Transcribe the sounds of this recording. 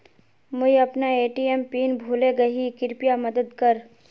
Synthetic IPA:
mʊɦeɐpnaeːʈiempiːnbʱuːleɡɐɦikɪɾpijamɐd̪əd̪kɐɾ

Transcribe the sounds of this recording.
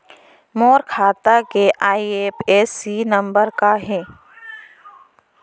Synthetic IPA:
moːɾkʰaːt̪akeʔaːieːpʰeːsinɐ̃mbəɾkaɦɛː

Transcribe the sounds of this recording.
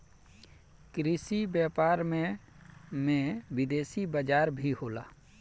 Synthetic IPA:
kɾɪsibjaːpaːɾmẽ | mẽʋɪd̪eːsibəd͡ʒaːɾbʱiɦoːla̰ː

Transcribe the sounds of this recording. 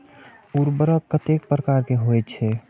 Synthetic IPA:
uɾbəɾəkkːət̪ek̚pɾəkaɾkeɦoɛt̪t͡ʃʰɛ

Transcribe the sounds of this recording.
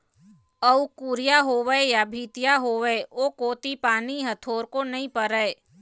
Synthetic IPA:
əukuɾɪjaɦoːʋəejabʱiːt̪ɪjaɦoːʋeːoːkoːt̪ipaːniɦət̪ʰoːɾkonɐɦĩpəɾəe

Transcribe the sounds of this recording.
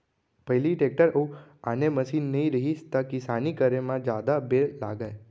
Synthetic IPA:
pəjliʈek̚ʈəɾəuaneməʃinːəĩɾəɦist̪akisanikəɾemãd͡ʒad̪abela̰ɡəj

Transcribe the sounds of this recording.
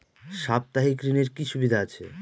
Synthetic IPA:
ʃap̚t̪aɦikɾineɾkiʃubid̪ʱaat͡ɕʰḛ

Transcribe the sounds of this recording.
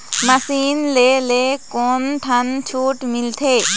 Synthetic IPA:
mɐsinlelekonʈʰɐnt͡ʃʰuʈmilt̪ʰe

